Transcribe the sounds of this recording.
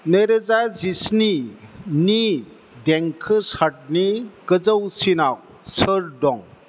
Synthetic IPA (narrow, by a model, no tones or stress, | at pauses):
neɾezazisnini | deŋkʰɯsat̚nikɯzəwsinaw | səɾdɔŋ